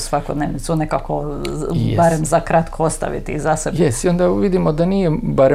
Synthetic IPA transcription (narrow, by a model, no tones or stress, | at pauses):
sʋakod̪neːʋnit̪sunekako | baɾemzakɾat̪kʰoost̪a̰ʋḭt̪iːzasebjest̪iond̪aʋid̪imod̪anijebaɾe